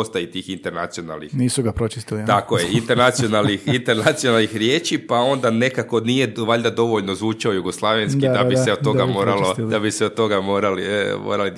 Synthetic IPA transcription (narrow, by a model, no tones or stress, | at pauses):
st̪ajit̪iːxint̪eɾnat̪sio̞na̰lˠnixniːsuɡapɾot͡ʃist̪ilit̪akojeint̪eɾnat̪sijo̞nalˠnixint̪eɾnat̪sio̞nalˠnixɾjeːt͡ʃipao̞nd̪ane̞kako̞nije̞ʋaʎd̪ad̪o̞ʋoʎnozʋuːt͡ʃaojuɡo̞slˠaʋjenskid̪abised̪̚t̪o̞ɡamoːɾalod̪abiseod̪̚t̪o̞ɡamo̞ːɾalimo̰ːɾali